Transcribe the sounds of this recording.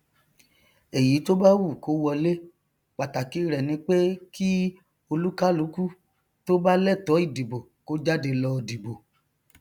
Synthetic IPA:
e˨ji˨˦to˦ba˦wu˦˨ko˦wɔ˧le˦ | k͡pa˨ta˨ki˨˦ɾɛ˨nĩ˧˦k͡pe˦kʰi˦ | o˧lu˦ka˦lu˨˦ku˦ | to˦ba˦lɛ˦˨tɔ˨˦i˦˨di˨bo˨ko˦d͡ʒa˦de˧lɔ˧˨di˨bo˨

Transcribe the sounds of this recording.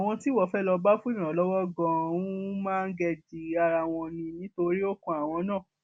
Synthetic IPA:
a˨w̃ɔ̃˧ti˦wɔ˦˨fɛ˦lɔ˧ba˦fũ˦ĩ˦˨ã˨lɔ˦wɔ˦ɡɔ̃˧ũ˦mãː˦˧n̩˦ɡɛ˧d͡ʒi˨a˧ɾa˧w̃ɔ̃˧nĩ˧nĩ˨˦to˧ɾi˦o˦kũ˧a˨w̃ɔ̃˧nãː˦˨

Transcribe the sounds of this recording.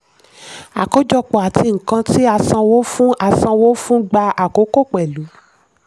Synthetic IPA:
a˨ko˨˦d͡ʒɔ˧k͡pɔ˨a˨tʰi˧ŋ̩˨kã˧ti˦a˧sã˧wo˨˦fũ˦ʔa˨˧sã˧wo˦fũ˦ɡ͡ba˧a˨ko˨˦ko˦˨k͡pɛ˨lu˨˦

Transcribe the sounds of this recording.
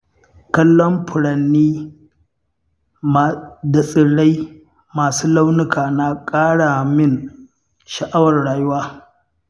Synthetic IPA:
kɐ˦lːɔ˦mɸʊ˨ɽɐ˨nːiː˦ | m˨da˨sʼɪ˨ɽa˦j | maː˨suː˦la˦wnɪ˦kaː˨na˦kʼaː˦ɽa˨mɪ˦˨n | ʃɐ˨ʔa˦wɐ˨rɽaː˨jʊ˦waː˦

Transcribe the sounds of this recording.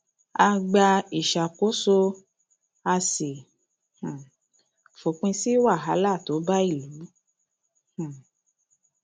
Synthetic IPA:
a˧ɡ͡ba˧i˨ʃa˨ko˨˦so˧ | a˧se˨ | hã˨ | fo˨k͡pĩ˧si˦wa˦˨ɦa˨˦la˦˨to˨˦ba˦i˦˨lu˨˦ | hã˨

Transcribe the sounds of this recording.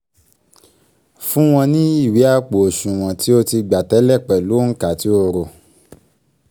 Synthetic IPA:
fũ˦w̃ɔ̃˧nĩ˦i˦˨wi˨˦a˦˨k͡po˨o˨ʃũ˨w̃ɔ̃˨ti˨˦o˧ti˧ɡ͡ba˨tɛ˨˦lɛ˦˨k͡pɛ˨lo˨˦ŋ̩˦ka˨ti˦o˧ɾo˨

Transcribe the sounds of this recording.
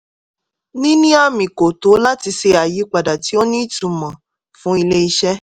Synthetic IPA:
nĩ˦nĩ˦a˦mĩ˨ko˨to˨˦la˦ti˧se˧a˨ji˨˦k͡pa˨da˨ti˨˦o˦nĩ˦i˦tũ˨˧mã˨ | fũ˨˦i˧le˦i˧ʃɛ˦

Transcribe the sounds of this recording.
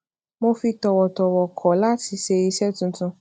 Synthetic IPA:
mo˧fi˧tɔ˨wɔ˨tɔ˨wɔ˨kʰɔ˨˦la˦ti˧˦ʃe˧i˧sɛ˦tũ˧˦tũ˧

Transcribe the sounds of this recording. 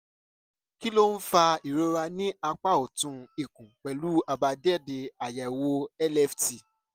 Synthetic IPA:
ki˦lo˦n̩˦fa˧i˨ɾo˧ɾa˧nĩ˦a˧k͡pa˦˨o˨tũ˧i˦˨kũ˨k͡pɛ˨lu˦a˦˧ba˧dɛ˦˨de˧a˨jɛ˨wo˧˦ɛ˦lɛ˦˨fti˨

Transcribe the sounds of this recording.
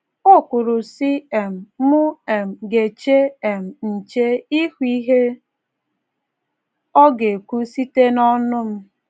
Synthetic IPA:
o˦kʷʊ˨ɾʊ˨si˦e˨m̩˨˦mʊ˦e˨m̩˨ɡe˨t͡ʃe˦e˨m̩˨n̩˨t͡ʃe˦i˦hu˦i˦ɦe˦ | ɔ˦ɡe˨ku˦si˦te˦nɔ˦nʊ˦m̩˦

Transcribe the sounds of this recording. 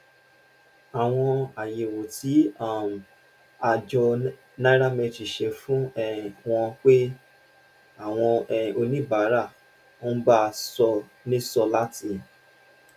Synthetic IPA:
a˨w̃ɔ̃˧a˨je˨wo˨ti˨˦a˦˨m˨ | a˧d͡ʒɔ˧ | na˦ɾa˦mɛ˧ti˨ʃe˧fũ˦ɛ˦˨w̃ɔ̃˧k͡pe˦ | a˦˨w̃ɔ̃˧ɛ˨o˧nĩ˦˨ba˨˦ɾa˦˨ | õ˦ba˦˧sɔ˧ | nĩ˦sɔ˧la˦ti˧

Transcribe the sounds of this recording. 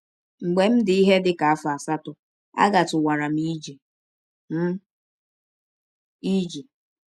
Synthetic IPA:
ŋ͡m̩˨ɡ͡be˨m̩˦dɪ˨i˦ɦe˦dɪ˨ka˨a˦fa˨sa˦tʊ˨ | a̰˦ɡa˨tʊ˨wa˨ɾa˨m̩˦i˦d͡ʒe˨ | m̩˦ | i˦d͡ʒe˨

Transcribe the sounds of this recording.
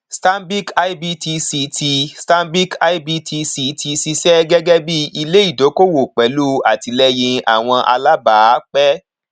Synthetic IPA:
sta˦mbi˦ka˧i˦bi˧ti˧si˧ti˧sta˦mbi˦ka˦i˦bi˧tʰi˧si˧tʰi˧si˧sɛ˦ɡɛ˦ɡɛ˦bi˦i˧le˦i˦˨do˨˦ko˦wo˨k͡pɛ˨˦lu˦a˨ti˧lɛ˦jĩ˧a̰˨w̃ɔ̃˧ʔa̰˧la˦ba˨˦k͡pɛ˦

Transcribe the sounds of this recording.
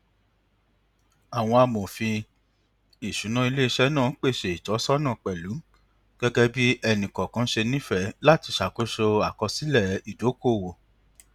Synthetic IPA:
a˨w̃ɔ̃˧a˧mõ˨fi˧ | i˨ʃu˨˦nã˦i˧le˦i˧ʃɛ˦nãː˦˨˦k͡pe˦˨ʃe˧˨i˨tɔ˨˦sɔ˦nã˦˨k͡pɛ˨lu˨˦ | ɡ̥ɛ˦ɡɛ˦bi˦ɛ˧nĩ˨kɔ̃˨kã˨˦ʃe˧nĩ˦fɛ˨˦la˦ti˧ʃa˨ko˦ʃo˧a˨kɔ˧si˦lɛ˦˨i˨do˨˦ko˦˨wo˨

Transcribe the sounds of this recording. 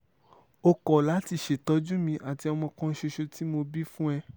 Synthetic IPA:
o˧kɔ˨la˨˦ti˧ʃe˨tɔ˨˦d͡ʒũ˦mĩ˧ʔa˨ti˨˧ɔ˧mɔ̃˧kɔ̃˦ʃe˧ʃo˧ti˦mo˧bi˦fũ˦ɛ˧

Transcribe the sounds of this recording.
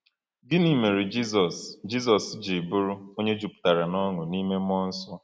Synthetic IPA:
dɪ˦ni˦me˨ɾi˨d͡ʒi˦zɔ˨sd͡ʒi˦sɔ˨sd͡ʒi˨bʊ˦ɾʊ˦o˦ɲe˦d͡ʒu˨pʊ̥˨ta˨ɾa˨nɔ˦ŋʊ˨ni˦me˦m˦ɔ˦n̩˦sɔ˦

